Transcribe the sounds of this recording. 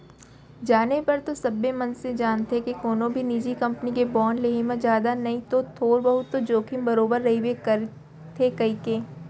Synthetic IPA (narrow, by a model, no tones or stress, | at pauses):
d͡ʒaːnepɐɾt̪osɐbːemɐ̃nsẽd͡ʒaːnt̪ekekoːnõbʱiniːd͡ʒikɐ̃mpnikebɔːnleːɦemẽd͡ʒjaːd̪anɐɦĩt̪ot̪ʰoːɾbɐɦʊt̪ːod͡ʒoːkʰĩmbɐɾoːbəɾːɐɦiwekɐɾ | t̪ʰekɐɦikeː